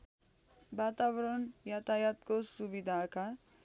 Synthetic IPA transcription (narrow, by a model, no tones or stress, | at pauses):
baːt̪aʋɾəɳjat̪ajat̪kosubid̪ʱaka